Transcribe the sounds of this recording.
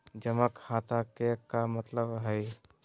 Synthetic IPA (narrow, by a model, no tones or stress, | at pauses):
d͡ʒəməkhaːt̪ʰakekamət̪ləbɦɛj